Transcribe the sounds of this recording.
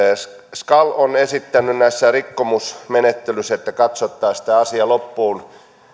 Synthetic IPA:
skɑlonesit̪ːænːˑynnæisːærikːomusmenet̪ːelysːæet̪ːækɑt̪sot̪ːɑːsi̥t̪æɑsiɑlopːuːn

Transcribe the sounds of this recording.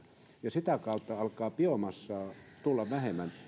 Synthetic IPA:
jɑsit̪ækɑut̪ːɑɑlkˑɑːpiomɑsːɑːt̪ulːɑʋʋæhemæn

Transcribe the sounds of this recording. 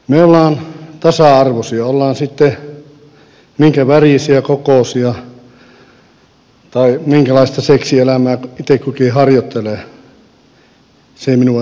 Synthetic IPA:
meolːɑːnt̪ɑsɑˑɑrʋosiɑolːɑːnsit̪ːe | miŋkæʋæriˑsiækokoˑsiɑ | t̪ɑimiŋkælɑist̪ɑseksielæmæːkuit̪ekkukihɑrjot̪ːeleˑ | seˑiminuɑ

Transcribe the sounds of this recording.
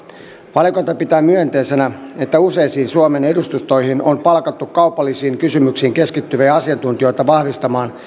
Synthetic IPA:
ʋɑliko̞jt̪ɑpit̪æːmyønt̪e̞ːse̞næe̞t̪ːæuse̞jsiːnsuome̞ne̞dust̪ust̪o̞jɦino̞mpɑlkɑt̪ːukkɑwpɑlːisiːŋkysymyksiːŋke̞skit̪ːyʋejɑɑsiɑnt̪unt̪io̞jt̪ɑʋɑhʋist̪ɑmɑːn

